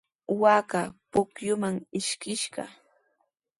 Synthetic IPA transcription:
wakapʊkjʊmaŋɪʃkɪʃɢɑ̰

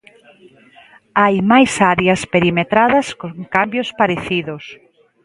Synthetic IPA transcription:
ajmajsaɾjɐspeɾimet̪ɾaðɐskoŋkambjospaɾeθiðʊs

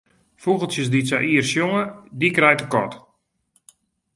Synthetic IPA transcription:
fuɣəl̩ˠsjəsdisa̰ʔiərsjoŋədikrɛjtəkɔ̰t

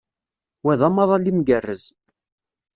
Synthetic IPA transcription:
wæðɑməðˤɑlimɡərːəz

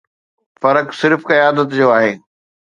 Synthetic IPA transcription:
fɐɾəksɪɾfkɐjaːd̪ət̪d͡ʑoːaːɦeː

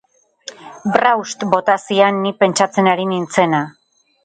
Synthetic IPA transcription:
brawst̪bo̞t̪asianːipe̞nt͡ʃat͡se̞naɾinint͡se̞na

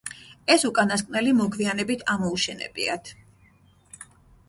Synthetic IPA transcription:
ɛsukʼanaskʼnɛlimɔɡvianɛbit̪ʰamɔuʃɛnɛ̰bḭa̰t̪ʰ

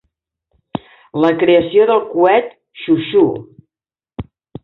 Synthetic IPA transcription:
ləkɾeəsioðəlˠkuɛt̪ | ʃuʃu

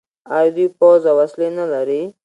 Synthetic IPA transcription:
aɾd̪ipɔzawaslenəlaɾi

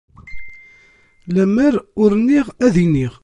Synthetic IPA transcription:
læməɾʊɾnːiʁæðiniʁ

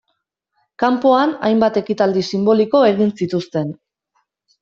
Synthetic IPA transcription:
kampoana̰jmbat̪e̞kit̪ald̪isimbo̞liko̞e̞ɣinsit̪ust̪e̞n

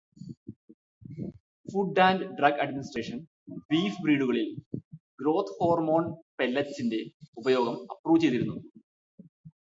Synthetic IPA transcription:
fuɖːaːndɖrɐɡɐɖminisʈre̞ːʂɐn | ʋiːfbriːɽuɣɐɭilɡɾo̞ːt̪ʰho̞ːrmo̞ːnpe̞lːɐt͡ɕːinde̞ubɐjo̞ːɡɐmɐpruːʋt͡ɕejt̪ːiɾunːu

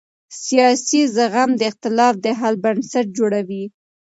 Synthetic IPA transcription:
sijɑsizaɣamd̪əɪqt̪ɪlɑfd̪əɦalbansaʈ̚d͡ʒoɽawi

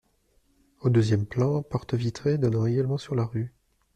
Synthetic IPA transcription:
od̪øzjɛmplɑ̃pɔʁt̪əvit̪χed̪ɔnɑ̃eɡalmɑ̃syʁlaʁy

